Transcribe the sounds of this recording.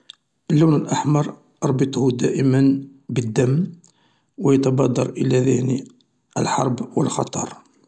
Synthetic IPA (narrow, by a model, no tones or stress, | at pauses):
ʔəlːuwnəlʔaħmɑɾˤ | ɾˤbət̪ˤhud̪æʔəmənbəd̪ːəmː | wəjət̪ɑbɑd̪ˤːɑɾˤʔəlæðæni | ʔə̰lħɑ̰ɾˤbwə̰lxɑ̰t̪ˤɑ̰ɾˤ